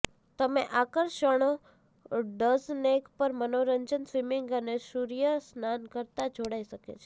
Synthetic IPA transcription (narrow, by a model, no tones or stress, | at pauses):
t̪əmeʔakəɾʃəɽ̃o | ɖəznekpəɾmənoɾəɲd͡ʒənsʋimiŋɡənesuɾijəsnankəɾt̪ad͡ʒoɽaiʃəkḛt͡ʃʰe